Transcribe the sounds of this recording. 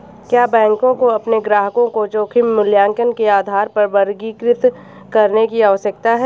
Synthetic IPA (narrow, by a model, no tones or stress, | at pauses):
kjaːbɛ̃ːŋkõkoɐpneɡɾaːɦəkõkot͡ʃoːkʰimːʊljaːŋkənkeaːd̪ʱaːɾpɐɾbɐɾɡiːkɾɪt̪ | kɐɾnekiaːsək̚t̪aɦɛː